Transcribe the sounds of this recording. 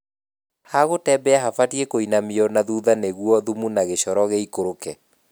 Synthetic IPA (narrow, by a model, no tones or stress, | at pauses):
haɣotɛbɛaɦafatiekoinamiɔnaðuːðaneɣwɔðumunaɣeɕɔɾɔɣeikoɾokɛ